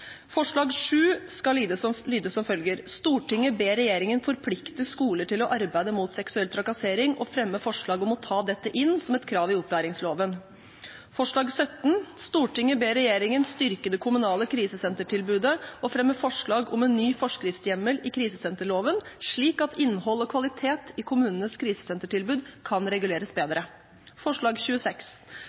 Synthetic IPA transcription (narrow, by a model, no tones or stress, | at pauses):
fɔʂɭɑːɡʂʉːskɑliːd̪əslyːd̪əsɔmfœlɡəɾst̪uːʈɪŋːəbeːɾɛjeːɾɪŋənfɔɾpʰlɪkt̪əskuːləʈɪlɔʔɑɾbæɪd̪əmuːt̪sɛksʉɛlt̪ʰɾɑkɑseːɾɪŋʔɔfɾɛmːəfɔʂɭɑːɡɔmɔt̪ʰɑːd̪ɛt̪ːəʔɪnsɔmɛt̪kʰɾɑːʋɪʊplæːɾɪŋsloːʋən | fɔʂɭɑːɡsœt̪n̩st̪uːʈɪŋːəbeːɾɛjeːɾɪŋənst̪ʏɾkəd̪ɛkʰʊmʉnɑːləkʰɾiːsəsɛnt̪əʈʰɪlbʉːd̪əɔfɾɛmːəfɔʂɭɑːɡɔmɛnːyːfɔʂkɾɪft̪sjɛməlɪkʰɾiːsəsɛnt̪əɭoːʋənʂɭiːkɑt̪ʰɪnːhɔlːɔkʰʋɑlɪt̪ʰeːt̪ɪkʰʊmʉːnənəskʰɾiːsə̥sɛnt̪əʈɪlbʉːd̪kʰɑnɾɛɡʉleːɾəsbeːd̪ɾə | fɔʂɭɑːɡçʉːəsɛks